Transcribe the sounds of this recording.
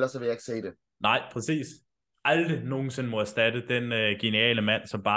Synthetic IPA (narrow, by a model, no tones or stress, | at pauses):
lɐsɒ̽ʋe̝ljäe̝ɡ̥se̝̰ːd̥e̝ | nɑ̈ɪ̰pʰʁɛsḭːs | ʔæld̥ʁino̝ːn̩se̝nmɒ̽æɐsd̥æd̥əd̥enøɡ̥e̝niɛ̰ːləmæn̰sɒ̽mb̥ɑ̈ː